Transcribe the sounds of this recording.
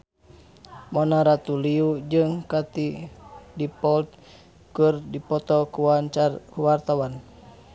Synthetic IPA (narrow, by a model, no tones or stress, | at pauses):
mɔnaɾat̪uliud͡ʒɨŋkat̪idipɔlt̪̚ | kɨrdipɔt̪ɔkuwaakuwart̪awan